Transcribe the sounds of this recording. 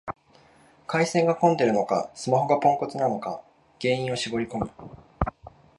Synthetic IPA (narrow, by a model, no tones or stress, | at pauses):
kaisẽ̞ŋɡakõ̞nd̪e̞ɾɯ̟no̞ka̰sɨmaɦo̞ɡapõ̞ŋko̞t͡sɨnano̞ka | ɡ̥ẽ̞ːĩɰ̃o̞ɕibo̞ɾʲiko̞mɯ̟